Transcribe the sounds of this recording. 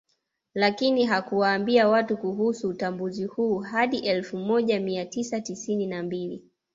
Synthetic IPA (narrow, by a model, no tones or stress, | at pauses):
lakiniɦakuwaːmbiawatukuɦusuːtambuzihuːɦaɗiʔɛlfumɔʄamiatisatisininambili